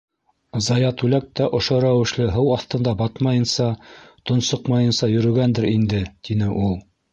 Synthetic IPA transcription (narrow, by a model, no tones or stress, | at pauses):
zɑjɑt̪ʉlæk̚t̪æʔŏʃoɾæwɘ̆ʃlɘɦɤwɑθt̪ɤ̆nd̪ɑbɑt̪mɑjɤ̆nsɑt̪ŏnsɤqmɑjɤnsɑjɵ̆ɾɵ̆ɡænd̪ɘɾind̪ɘt̪inɘʔulˠ